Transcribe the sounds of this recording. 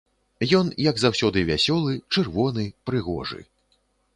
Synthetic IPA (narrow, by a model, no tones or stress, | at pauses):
jɔnjɐɡzawsʲɔd̪ɨvʲasʲɔlˠɨt͡ʂɨrvɔnɨpɾɨɣɔ̰ʐɨ̰